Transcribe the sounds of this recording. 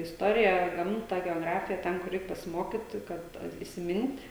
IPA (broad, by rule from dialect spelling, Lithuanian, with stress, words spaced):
ɪsˈtoːrʲɪjæː ˈɡɐmtɐ ɡʲɛoːˈɡrɑːfʲɪjɛ ˈtʲɛn kʊr ˈrʲɛɪk pɐsʲɪˈmoːkʲɪt kɐt ɪsʲɪˈmʲɪnʲtʲ